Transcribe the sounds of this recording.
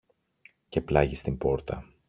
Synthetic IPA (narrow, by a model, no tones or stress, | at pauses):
ce̞plɐʝist̪imbo̞ɾt̪ɐ